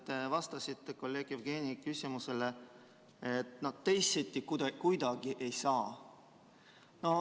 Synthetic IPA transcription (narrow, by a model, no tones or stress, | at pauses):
t̪evɑst̪ɑsit̪ːeko̞lːe̞ːɡ̥jevɡ̥eːnʲikysimuse̞le̞ | et̪ːˑnɑ̥t̪ːe̞jsːet̪ʲːˑik̪kujd̪̥ɑɡ̥iʔe̞jsɑː | no̞